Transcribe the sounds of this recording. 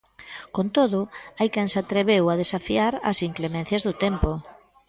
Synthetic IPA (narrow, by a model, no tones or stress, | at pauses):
kont̪oðʊajkensat̪ɾeβewað̞esafiaɾɐ̰siŋklemɛ̃n̟θjazðʊt̪ɛmpʊ